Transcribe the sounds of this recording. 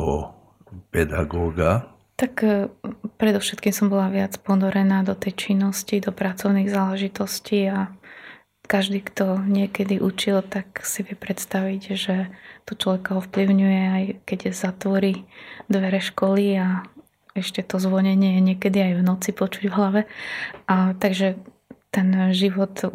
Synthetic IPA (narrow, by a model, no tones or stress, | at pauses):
ɦɔ̰ | pɛd̪a̰ɡɔːɡa | t̪ak | pɾɛd̪ɔʊʃɛt̪kiːmsɔmbɔlaʋɪat͡spɔnɔɾɛnaːd̪ɔt̪ɛjt͡ʃinːɔscid̪ɔpɾat͡sɔʊniːɣzaːlɛʒit̪ɔscia | kaʒd̪iːkt̪ɔɲɪɛkɛd̪iʔut͡ʃilt̪aksiʋɪɛpɾɛt̪st̪aʋiɟʒɛt̪ɔt͡ʃlɔʋɛkaɔfpliʊɲujɛajkɛɟzat̪ʋɔɾid̪ʋɛɾɛʃkɔlia | ɛʃcɛt̪ɔzʋɔɲɛɲɪɛjɛɲɪɛkɛd̪iajvnɔt͡sipɔt͡ʃuɟvɦlaʋɛʔat̪aɡʒɛ | t̪ɛnʒiʋɔt̪